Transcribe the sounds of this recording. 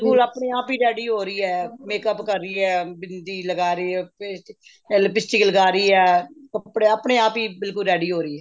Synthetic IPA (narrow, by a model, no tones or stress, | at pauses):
ɪlkʊlaːpɳeːaːpiːɾɛːɖiːɦoːɾəiːɛːmeːkəpkəɾːiːɛːbɪnd̪iːləɡaːɾiːɛːps | lpɪsʈɪːkləɡaːɾiːɛːkəpɽeːaːpɳeːaːpiːbɪlkʊlɾɛːɖiːɦoːɾiːɛː